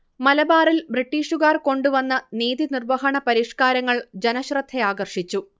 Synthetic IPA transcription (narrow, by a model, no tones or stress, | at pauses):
mɐlɐbaːrilbriʈːiːʂuɣaːrko̞ɳɖuʋɐnːɐniːðinirʋɐɦɐɳɐpɐɾiːʂkaːɾɐŋːɐɭd͡ʑenɐɕrɐt̪ʰːe̞aːɡɐrʂit͡ɕːu